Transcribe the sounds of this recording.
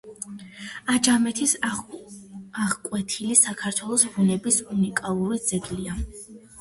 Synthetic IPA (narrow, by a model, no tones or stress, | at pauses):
ad͡ʒamɛt̪ʰis | aʁkʼwɛt̪ʰilisakʰaɾt̪ʰwɛlˠɔsbunɛbisunikʼalˠuɾid̪z̥ɛɡlia